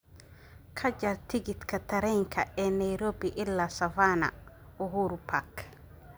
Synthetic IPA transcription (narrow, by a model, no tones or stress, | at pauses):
kʰɐd͡ʒɐrt̪ʰɪɡɪt̪kʰɐt̪ʰɐɾɛjŋkʰɐɛːnɐjɾɔːbɪʔɪlːaːsɐvaːnɐ̰ | ʊɦuːɾpʰak